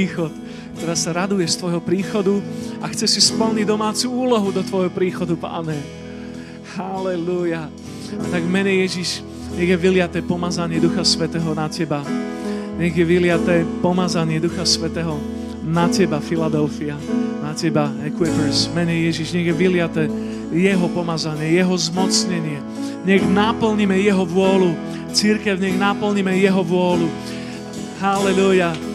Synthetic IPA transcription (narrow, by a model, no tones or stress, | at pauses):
iːxɔt̪ | kt̪ɔɾaːsaɾad̪ujɛst̪ʋɔjɦɔpɾiːxɔd̪uaxt͡sɛsispl̩ɲiɟd̪ɔmaːt͡suuːlɔɦud̪ɔt̪ʋɔjɦɔpɾiːxɔd̪upa̰ːɲɛ | halɛluja | at̪aɡmɛɲɛjɛʒiʃ | ɲɛɣjɛʋilɪat̪ɛːpɔmazaɲɪɛd̪uxasʋɛt̪ɛːɦɔnacɛba | ɲɛɣjɛʋilɪat̪ɛːpɔmazaɲɪɛd̪uxasʋɛt̪ɛːɦɔ | nacɛbafilad̪ɛlfianacɛbaɛkwipəɾzmɛɲɛjɛʒiʒɲɛɣjɛʋilɪat̪ɛː | jɛɦɔpɔmazaɲɪɛjɛɦɔzmɔt͡sɲɛɲɪɛ | ɲɛɣnapl̩ɲimɛjɛɦɔʋʊɔlu | t͡siɾkɛʊɲɛɣnapl̩ɲimɛjɛɦɔʋʊɔlu | ɦalɛluja